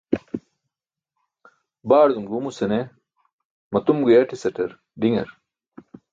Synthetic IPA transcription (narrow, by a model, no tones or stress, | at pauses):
baːɾd̪umɡumusɐne | mɐt̪umɡujɐʈʰisɐʈɐɾ | ɖiŋɐ̰ɾ